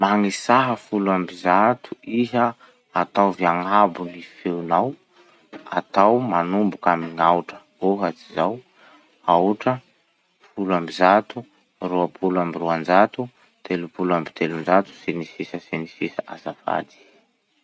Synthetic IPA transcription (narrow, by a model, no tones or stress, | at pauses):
maŋisaɦəfuluambizat̪uʔiɦə | at̪awvjaŋabunifewnaw | a̰t̪awmanumbukamiŋawʈ͡ʂə̥ | oɦat͡sizaw | awʈ͡ʂə | fuluambizat̪u | ruapʰulambiɾuand͡ʒat̪u | t̪ʰelupuluambi̥t̪ʰelund͡ʒat̪u̥senisisəsenisisaʔa̰zafa̰d̪i̥